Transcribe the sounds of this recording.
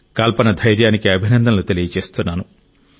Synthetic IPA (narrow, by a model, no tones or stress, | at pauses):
kɐlpɐnɐd̪ʱɐjɾjaːnikiɐbʱinɐnd̪ʱɐnɐlut̪e̞lijɐt͡ʃe̞ːst̪unːaːnu